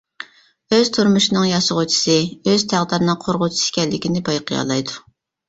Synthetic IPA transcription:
øz̥t̪ʰuɾmuʃinɨŋjɑʃʊʁʊt͡ʃʰi̥sɨøz̥t̪ʰæʁd̪ɑɾnɨŋqʰoɾʁʊt͡ʃʰi̥sɪ̥kʲɛlːɪkʲinɪbɑjqʰəjɑ̰lˠɑjd̪u

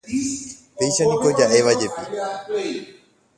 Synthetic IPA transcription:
peːʃanikoːd͡ʑaːeːʋad͡ʑeːpiː

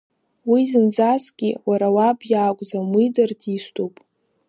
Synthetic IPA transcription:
wizɨnd͡zasɡʲiwaɾawabjaːkʷʼd͡zamidardistʰʼopʼ

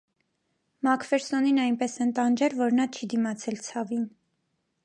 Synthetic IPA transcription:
mɑkʰvɛɾsɔninɑjnpɛsɛnt̪ɑnd͡ʒɛɾvɔɾnɑt͡ʃʰid̪imɑt͡sʰɛlt͡sʰɑvin

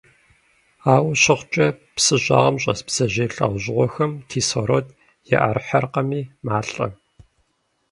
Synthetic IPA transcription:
aːwɕɪχʷt͡ʃʼɐpsɨɕʼa̰ːʁɐmɕʼɐ̰sbz̥ɐʑeːɬa̰ːʁʷʑɪʁʷɔxɐmtʰiːsoɾoːt | jɛ̰ʔɐ̰rħɐrqɐmiːmaːɬʼɐ̰

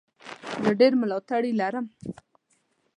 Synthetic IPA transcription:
zəɖeɾməlawt̪aɽilaɾəm

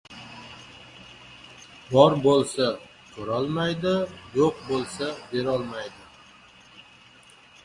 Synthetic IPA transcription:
bɒɾbolˠsa | kʰoɾɒlˠmajd̪ɪjoqbolˠsabe̞ɾɒlˠmajd̪ɪ

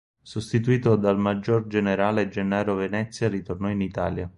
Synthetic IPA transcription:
sost̪it̪uiːt̪od̪almad͡ʒːord͡ʒeneɾaːled͡ʒenːaːɾovenɛt̪sːjarit̪ornɔinit̪a̰ːlja

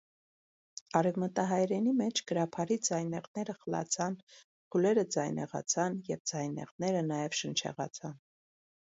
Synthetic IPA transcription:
ɑɾɛvmət̪ɑɦɑjɾɛnimɛt͡ʃʰɡ̥əɾɑpʰɑɾid͡zɑjnɛʁnɛɾəχəlɑ̰t͡sʰɑn | pʰulɛɾəd͡zɑjnɛ̰ʁɑ̰t͡sʰɑnjɛvd͡zɑjnɛ̰ʁnɛɾənɑjɛvʃənt͡ʃʰɛ̰ʁɑ̰t͡sʰɑn

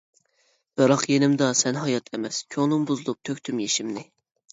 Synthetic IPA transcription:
b̥ɨɾɑqjenɪmd̪ɑsɛnɦɑjɑt̪ʰemɛskʲʰoŋnɨmbuzɨlˠup̚t̪ʰøkʲt̪ʰymjeʃimnɪ

